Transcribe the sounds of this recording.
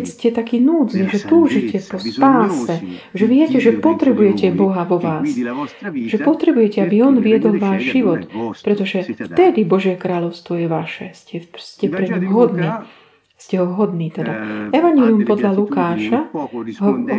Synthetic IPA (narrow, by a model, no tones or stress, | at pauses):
scɛt̪akiːnuːd͡zniʒɛt̪uːʒicɛpɔspaːsɛʒɛʋɪɛcɛʒɛpɔt̪ɾɛbujɛcɛbɔɦaʋɔʋaːs | ʒ̥ɛpɔt̪ɾɛbujɛcɛabiɔnʋiɪɛd̪ɔlʋaːʒʒiʋɔt̪pɾɛt̪ɔʒɛft̪ɛd̪ibɔʒɪjɛkɾaːʎɔʊst̪ʋɔjɛʋaʃɛscɛscɛpɾɛɲimɦɔd̪niː | scɛɦɔɦɔd̪niːt̪ɛd̪aɛʋaɲɛliumpɔd̪ʎalukaːʃaɦɔ